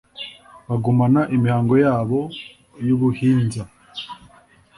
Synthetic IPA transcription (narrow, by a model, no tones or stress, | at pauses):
βaɡumanaʔimihaːŋɡo̞jaːβo̞ | juβuhiːnza